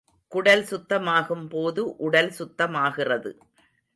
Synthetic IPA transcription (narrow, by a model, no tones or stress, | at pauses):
kʊɽɐlsʊt̪ːɐmaːɣɯmpoːðɯʔʊɽɐlsʊt̪ːɐmaːɣɪrɐðɯ̰